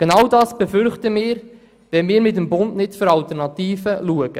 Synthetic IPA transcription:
ɡ̥enɑwdɑːsb̥ɛfʏɾχtəmɪːɾ | ʋɛnmɪːɾmɪt̬əmbʊndnɪtføɾɑltɛrnɑtiːfəluəɡ̥ə

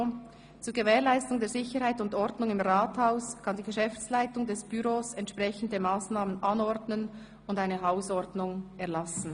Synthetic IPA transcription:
t͡suːɐɾɡevɛːʁlaɪstʊŋdeːzɪçəɾhaɪtʊndɔɾdnʊŋɪmʁaːthaʊskʰɑndiːɡəʃɛft͡slaɪtʊŋdɛsb̥yɾoːsɛntʃpʁ̥ɛçən̩dəmaːsnaːmənʔɑnɔɾdnən | ʊndaɪnəɦaʊsɔɾdnʊŋɛʁlasn̩

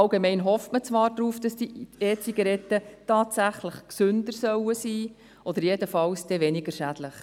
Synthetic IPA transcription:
ɑlɡemɛɪnɦɔftmət͡sʋɑːɾdɾuːfd̥ɑsd̥ieːt͡siɡɑɾɛtːətɑːtsæχləχksʏnd̥əɾsœwəsiː | ʔɔd̪̥əɾjedəfɑwsd̥ɛʋɛnɪɡ̥əʃæd̥ləχ

